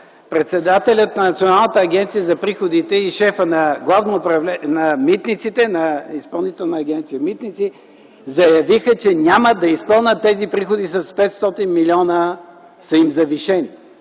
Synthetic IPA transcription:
pɾɛt̪sɛd̪at̪ɛlʲət̪̚nɐnɐt̪sionalˠnət̪əːɡʲɛnt̪sijəzɐpɾixod̪it̪ɛiʃɛfənɐɡlˠavnoːpɾɐvlɛnɐmit̪nit̪sit̪ɛnɐispɐlˠnit̪ɛlˠnəːɡʲɛnt̪sijəmit̪nit̪si | zɐjɐvixət͡ʃɛnʲaməd̪ɐispəlˠnʲət̪ːɛzipɾixod̪isɐspɛt̪st̪ɔt̪inmilʲɔnə | sɐimzɐviʃɛni

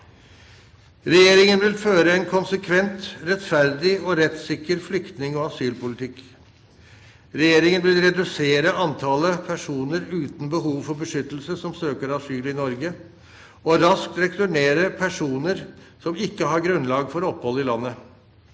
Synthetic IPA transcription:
ɾɛjeːɾɪŋənʋɪlføːɾəɛnkʰʊnsəkʰʋɛnt̪ɾɛt̪fæɾd̪ɪɔɾɛt̪sɪkːəɾflʏkt̪nɪŋɔːɑsyːlpʊlɪt̪ʰɪk | ɾɛjeːɾɪŋənʋɪlɾɛd̪ʉseːɾəɑnt̪ʰɑləpʰæʂuːnəɾʉːt̪nbəɦuːʋfɔɾbəʂʏt̪l̩səsɔmsøːkəɾɑsyːlɪnɔɾɡə | ɔɾɑsk̚t̪ɾɛkt̪ʉɳeːɾəpʰæʂuːnəɾ | sɔmɪkːəɦɑɾɡɾʉnlɑːɡfɔɾɔphɔlːɪlɑnːə

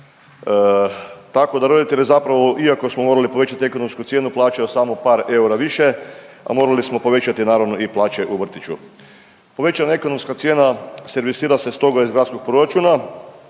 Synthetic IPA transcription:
t̪ako̞d̪aɾo̞d̪it̪e̞ʎezapɾaʋo̞ʔiako̞smomo̞ːɾalipo̞ʋe̞t͡ʃat̪ie̞ko̞no̞mskut̪sje̞ːnuplˠaːt͡ʃajosamo̞paːɾe̞uɾaʋiʃe̞ | a̰mo̞ːɾalismopo̞ʋe̞t͡ʃat̪inaːɾaʋno̞ʔiplˠaːt͡ʃe̞ʔuʋr̩t̪it͡ʃu | po̞ʋe̞t͡ʃanaeko̞no̞mskat̪sje̞ːnase̞ɾʋisiːɾase̞st̪o̞ɡaizɡɾat̪sko̞ɡ̥̚pɾo̞ɾat͡ʃuːna

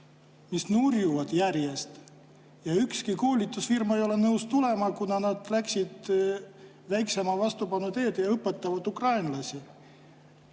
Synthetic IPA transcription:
misnurjuvɑd̪̥jærje̞st̪ | jɑykskikoːlʲit̪ːˑusfirmɑejo̞le̞nɤwst̪ule̞mɑkunɑnɑd̪̥læksʲid̪̥ | væjkse̞mɑvɑst̪upɑnːut̪e̞ːd̪jɑɤpːˑe̞t̪ːˑɑvɑd̪ukrɑjnlɑsʲi

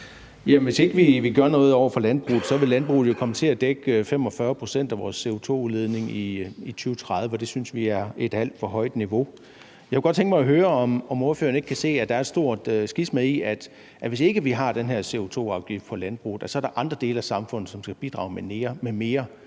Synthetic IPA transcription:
jæʋe̝se̝ɡ̥əʋiʋiɡ̥ɶɐnɔ̽ːð̞̩ˠɒʊ̰ɐfɒ̽lænb̥ʁṵːð̩ˠsɒ̽ʋe̝lænb̥ʁṵːð̩ˠjo̝kʰɒ̽mət͡sʰe̝læd̥eɡ̥øfem̰ɒ̽fɶːɐpʰʁo̝sen̰d̥æʋɒːsːe̝o̝t͡sʰo̝̰ːuðˠle̝ð̞ˠne̝ŋiit͡sʰyːʊət͡sʰʁɑ̈ð̞ˠʋəɒd̥e̝synsʋiæɐe̝d̥æl̰d̥fɒ̽ɦɒ̽ɪ̰d̥niʋo̝ | jɑkeɡ̥ɒ̽d̥t͡sʰeŋɡ̥mɑ̈ɪæɦøːɐɒ̽mɒ̽mofø̰ːɐn̩e̝ɡ̥kʰæse̝̰ːæd̥ɑ̈æɐedsd̥o̝ɐ̰d̥sɡ̥ismeðˠiæd̥ | ʔæʋe̝se̝ɡ̥əʋiɦɑ̈d̥enɦeɐse̝o̝t͡sʰo̝̰ːɑ̈ʊɡ̥ifd̥fʰɒ̽lænb̥ʁṵːð̩ˠæsɒ̽ɐɾ̥ɑ̈ʔɑ̈nd̥ʁɐd̥e̝ːləæsɑ̈mfɔ̽n̰ð̩ˠsɒ̽msɡ̥æb̥id̥ʁɑ̰̈ʊmene̝ːɐmeme̝ːɐ

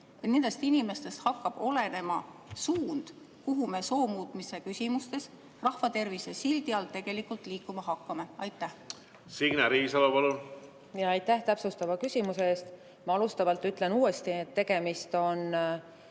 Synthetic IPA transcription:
nend̪̥ɑst̪inime̞st̪e̞st̪hɑkːɑb̥o̞le̞ne̞mɑsuːnd̪̥ | kuɦume̞so̞ːmuːt̪ˑmise̞kysʲimust̪e̞s | rɑhfɑt̪e̞rvise̞sild̪iɑlt̪ːe̞ɡ̥e̞likːˑult̪ˑliːkːˑumɑɦɑkːɑme̞ɑjt̪ːˑæh | siɡ̥næɾiːsɑlupɑlun | jɑɑjt̪ːˑæht̪æpsust̪ɑvɑkysʲimuse̞eːst̪ | mɑɑlust̪ɑvɑlt̪ːˑyt̪ːˑle̞nuːe̞st̪iet̪ːe̞ɡ̥e̞mist̪o̞n

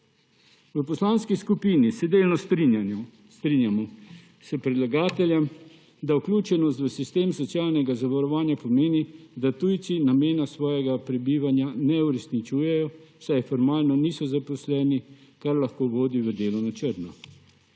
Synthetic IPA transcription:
ʋəpɔslaːnskiskupiːnisɛd̪eːlnɔs | st̪ɾinjamɔ | sɛpɾid̪laɡaːt̪ɛljɛm | d̪awklʲuːt͡ʃɛnɔst̪ʋəsist̪eːmsɔt̪sjaːlnɛɡazaʋaɾɔʋaːnjapɔmeːnid̪at̪ujt̪sinameːnasʋɔːjɛɡapɾɛbiːʋanjanɛuɾɛsnit͡ʃuːjɛjɔwsajfɔɾmaːlnɔniːsɔzapɔslɛːni | kaɾlaxkoːʋoːd̪iʋəd̪eːlɔnat͡ʃəɾnɔ

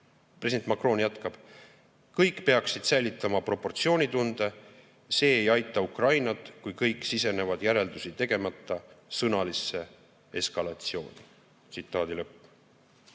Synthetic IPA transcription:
pɾresidenmɑkro̞njæt̪kɑb̥ | kɤjkːpe̞ɑksid̪̥sæjlʲit̪ːˑɑmɑpro̞pːo̞rt̪sio̞ːnʲit̪und̪̥e̞ | se̞ːjɑjt̪ːˑɑukrɑjnɑt̪ˑkujkɤjkˑsise̞ne̞vɑd̪̥jæɾe̞ld̪usit̪e̞ɡ̥e̞mɑt̪ːˑɑsɤnɑlisːe̞ | e̞skɑlɑt̪sio̞ːni | t̪sit̪ːˑɑːd̪ilɤpːˑ

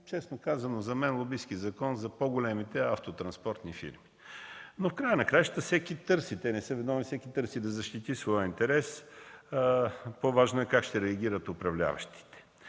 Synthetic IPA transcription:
t͡ʃɛsnokazɐnozɐmɛnlˠobisk̟izɐkɔnzɐpoɡolɛmit̪ɛaft̪ot̪ɾɐnspɔɾt̪nifḭɾmi | nofkɾajənɐkɾajʒət̪əfsɛkit̪ɤɾsit̪ɛnɛsɤvɛd̪nɔvnisɛkit̪ɤɾsid̪ɐzɐʃt̪it̪isvɔjəint̪ɛɾɛs | povaʒnoɛkakʃt̪ɛɾɛɐɡ̟ʲiɾət̪ʊpɾɐvlʲa̰vɐ̰ʃt̪i̥t̪ɛ̥

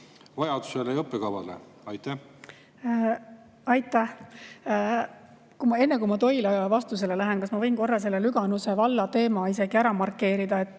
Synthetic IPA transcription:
vɑjɑd̪̥u̥selejɤpːˑekɑvɑ̰lḛ | ɑjt̪æh | ɑjt̪ːˑæh | kumɑe̞nːekumɑt̪o̞jlevɑst̪use̞lelæɦenkɑsmɑvɤjnko̞rːɑs̬e̞lːelyɡ̥ɑnuse̞vɑlːɑt̪e̞ːmɑise̞ɡ̥iæɾɑmɑrkːˑe̞ːɾid̪̥ɑe̞t̪ːˑ

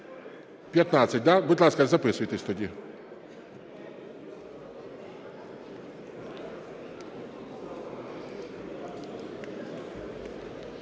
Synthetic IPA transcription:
pʲjɐt̪nasʲɐt̚ʲd̪abʊd̪ʲlˠɑskɐzɐpɪsʊjt̪ɪsʲt̪ɔdʲi

